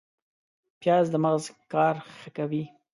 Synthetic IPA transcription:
pjɑzd̪əmaɣzkɑɾxəkawi

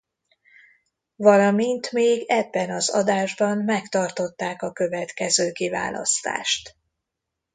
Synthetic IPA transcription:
vɒlɒmint̪meːɡɛbːɛnɒzɒ̰d̪aːʒbɒnmɛkt̪ɒrt̪o̞t̪ːaːkɒkøvɛt̪kɛzøːkiva̰ːlɒ̰st̪a̰ːʃt̪

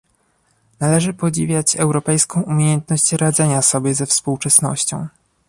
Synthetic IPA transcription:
nalɛʐɘpɔd͡ʑivʲjat͡ɕɛwɾɔpɛjskɔ̃w̃ʔumʲjejɛnt̪nɔɕt͡ɕɾad̪zɛɲasɔbʲjɛzɛfspuwt͡ʂɛsnɔ̰ɕt͡ɕɔ̰̃w̃

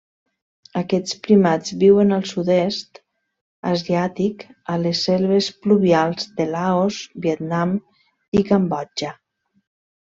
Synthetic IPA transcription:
əkɛt͡spɾimad͡zβiwənəlˠsuðest̪ | əziat̪ikəlesːɛlˠβespluβialˠzd̪əlaozbiet̪nam | ikambɔd͡ʒə

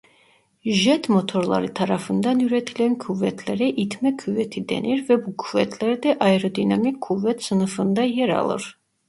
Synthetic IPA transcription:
ʒɛt̪ʰmɔt̪ʰɔɾlˠa̰ɾit̪ʰaɾafɨnd̪anuɾɛt̪ʰilɛnkʰuvɛt̪ʰlɛɾɛʔit̪ʰmɛkʰuvɛt̪ʰid̪ɛ̰nɛɾvɛbukʰvɛt̪ʰlɛɾd̪ɛʔaɛɾɔd̪inamikʰːuvɛt̪sɨnɨfɨnd̪ajɛɾa̰lˠɔ̰ɾ

